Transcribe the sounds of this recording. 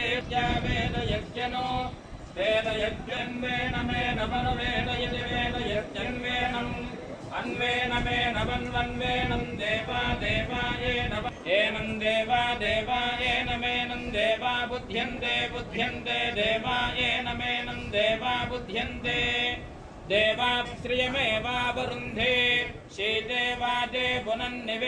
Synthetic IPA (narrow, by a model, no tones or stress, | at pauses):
ejaːʋeːnɐjɐɡjɐnoː | d̪eːnɐjɐɡjɐnʋ̪eːnɐmeːnɐmɐnɐʋeːnɐjɐɐeːnɐjɐkjɐnʋeːnɐm | ɐnʋeːnɐmeːnɐmɐnʋɐnʋeːnɐmd̪eːʋaːd̪eːʋaːeːnɐmɐeːnɐmd̪eːʋaːd̪eːʋaːeːnɐmeːnɐmd̪eːʋaːbud̪ʱjɐnd̪eːbud̪ʱjɐnt̪eːd̪eːʋaːeːnɐmeːnɐmd̪eːʋaːbud̪ʱjɐnd̪eː | d̪eːʋaːt̪ɾijɐmeːʋaːbɐɾund̪ʱeː | ʃiːd̪eːʋaːd͡ʒeːbunɐnneʋ